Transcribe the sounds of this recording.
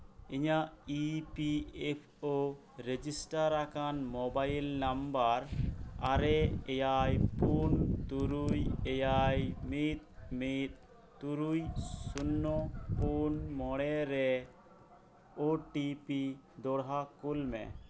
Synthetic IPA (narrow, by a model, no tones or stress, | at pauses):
iɲaʔipiepʰo | ɾed͡ʒisʈaɾːakanmɔbajlnambaɾa̰ɾɛɛjajpunt̪uɾujɛjajmit̪̚mit̪̚ | t̪uɾujsunːɔpunmɔɽ̃ɛɾɛ | oʈipi | d̪ɔɽɦakulmɛ̰